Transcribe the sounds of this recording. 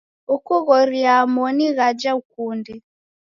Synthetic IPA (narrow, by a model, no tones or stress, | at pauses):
ukuɣɔɾiamɔniɣad͡ʒaukundɛ